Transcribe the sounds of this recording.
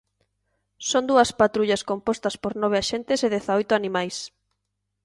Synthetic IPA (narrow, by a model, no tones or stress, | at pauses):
sond̪uɐspat̪ɾuʎɐskompost̪ɐspoɾnɔβ̞ɪaʃent̪ɪseðeθaojt̪ʊanĩmajs